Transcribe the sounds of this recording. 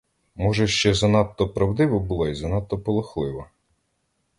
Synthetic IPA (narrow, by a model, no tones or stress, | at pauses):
mɔʒɛʃt͡ʃɛzɐnɑt̪ːɔpɾɐwd̪ɪʋɔbulˠɔizɐnɑt̪ːɔpɔlˠɔxlˠɪʋɔ